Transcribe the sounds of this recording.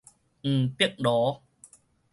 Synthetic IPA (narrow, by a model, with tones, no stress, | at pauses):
ʔ̩˨˩p̪i˦˥ək̚ɗɔ˨˦